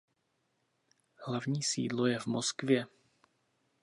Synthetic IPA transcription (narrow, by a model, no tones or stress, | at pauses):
hlavɲiːsḭːdlo̞jɛvmoskvjɛ